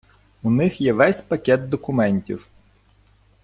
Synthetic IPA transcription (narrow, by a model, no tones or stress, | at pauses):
unɪxjɛʋɛsʲpɐkʲɛt̪̚d̪ɔkʊmɛnʲtʲḭw